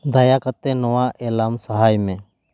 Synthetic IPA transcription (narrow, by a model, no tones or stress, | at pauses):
d̪ʱaːjaːkət̪ːẽnəʋaːʔeːlaːmsəɦaːjmẽː